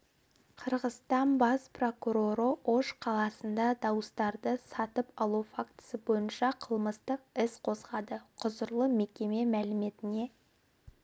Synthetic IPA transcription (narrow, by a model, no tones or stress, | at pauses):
qʰəɾʁəst̪ɑnbɑspro̞kuɾo̞ɾəʔoʃqʰɑlˠɑsənd̪ɑd̪ɑwəst̪ɑɾd̪əsɑt̪əpɑlˠufakt̪ɪ̥səbo̞jənʃɑqʰəlˠməst̪əq̚ɪsqʰo̞zʁɑd̪əqʰʊzəɾlˠəme̞kʲe̞me̞mælɪme̞t̪ɪne̞